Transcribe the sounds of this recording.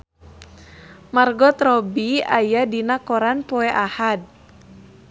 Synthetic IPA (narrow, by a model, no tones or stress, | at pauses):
marɡɔt̪ɾɔbiajadinakɔɾanpɔɛʔahad̚